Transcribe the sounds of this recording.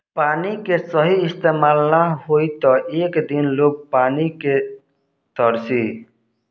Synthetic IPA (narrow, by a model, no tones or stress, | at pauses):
paːnikesəɦiɪst̪eːmaːlnahoit̪ɔʔeːkd̪inloːɡ̚paːnike | t̪əɾsi